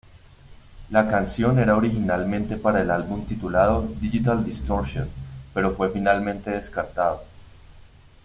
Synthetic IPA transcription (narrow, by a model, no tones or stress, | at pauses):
lakansjo̞ne̞ɾaoɾixinalmẽ̞nt̪e̞paɾaelalbumt̪it̪ulað̞o̞d̪iʝit̪ald̪ist̪o̞ɾʃjonpe̞ɾo̞fwe̞finalmẽ̞nt̪e̞ð̞eskaɾt̪aðo